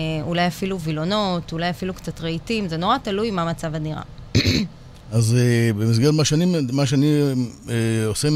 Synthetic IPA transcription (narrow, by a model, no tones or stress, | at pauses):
ulajafiluvilo̞no̞tulajafilukt͡satʁeitimzeno̞ʁatalujmamat͡savaniʁa̰ | azebemis̬ɡeʁmaʃeanimmaʃ̬eanieose